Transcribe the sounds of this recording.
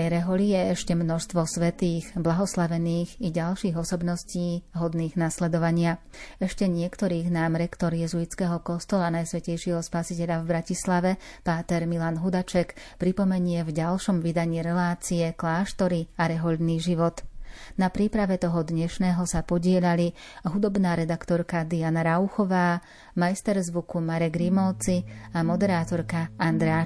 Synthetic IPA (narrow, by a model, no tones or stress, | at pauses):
ɛjɾɛɦɔʎijɛɛʃcɛmnɔʃst̪ʋɔsʋɛt̪iːɣblaɦɔslaʋɛniːɣiɟalʃiːɣɔsɔbnɔsciːɦɔd̪niːɣnaslɛd̪ɔʋaɲɪa | ɛʃcɛɲɪɛkt̪ɔɾiːɣnaːmɾɛkt̪ɔɾjɛzuit͡skɛːɦɔkɔst̪ɔlanajsʋɛcɛjʃɪɛɦɔspasicɛʎavbɾacislaʋɛpaːt̪ɛɾmilanɦud̪at͡ʃɛkpɾipɔmɛɲɪɛvɟalʃɔmʋid̪aɲiːɾɛlaːt͡siɛklaːʃt̪ɔɾiaɾɛɦɔʎd̪niːʒiʋɔt̪napɾiːpɾaʋɛt̪ɔɦɔd̪ɲɛʃnɛːɦɔsapɔɟɪɛʎali | ɦud̪ɔbnaːɾɛd̪akt̪ɔɾkad̪ianaɾauxɔʋaː | majst̪ɛɾzʋukumaɾɛɡɾimɔlt͡siamɔd̪ɛɾaːt̪ɔɾkaand̪ɾɛ